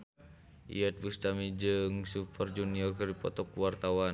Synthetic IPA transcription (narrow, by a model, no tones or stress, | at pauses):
ḭɛt̪̚bust̪amid͡ʒəŋsupərd͡ʒuniɔrkɨripɔt̪ɔkuwart̪awan